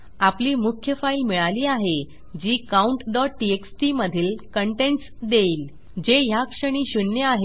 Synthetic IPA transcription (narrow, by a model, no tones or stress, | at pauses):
apliːmukʰjəfailmiɭaliːaɦe | d͡ʑiːkauɳʈɖɔʈ̚ʈieksʈiməd̪ʱiːlkəɳʈeɳʈsd̪eiːl | d͡ʑeɦjakʂəɽ̃iːɕunjəaɦe